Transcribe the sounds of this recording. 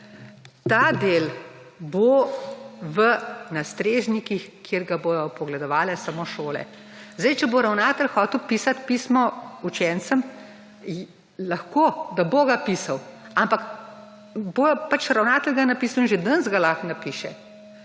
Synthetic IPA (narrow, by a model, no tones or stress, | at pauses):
t̪aːd̪eːl | bo | ʋənast̪ɾeːʒnikixkjeɾɡabojɔpɔɡlɛd̪ɔʋaːlɛsamoʃoːlɛ̰ | zd̪ajt͡ʃɛboɾawnaːt̪əlxɔːt̪wpiːsat̪piːsmɔut͡ʃɛnt̪səm | laxkoːd̪aboɡapiːsaw | ampak | bopat͡ʃɾawnaːt̪əlɡanapiːsawinʒɛd̪ənzɡalaxnapiːʃɛ̰